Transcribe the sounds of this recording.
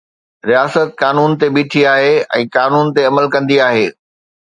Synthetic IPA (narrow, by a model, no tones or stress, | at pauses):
ɾijaːsət̪̚kaːnuːnt̪ebiːʈʰiaːɦeɛ̰̃ːkaːnuːnt̪eɐməlkɐ̃nd̪iaːɦeː